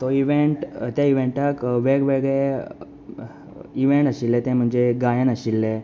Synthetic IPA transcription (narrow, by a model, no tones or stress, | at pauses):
t̪ɔiʋeɳʈt̪jaiʋeɳʈakʋeɡʋeɡɭe | iʋeɳʈəɕilːet̪ẽm̤əɳd͡zeɡajanəɕilːe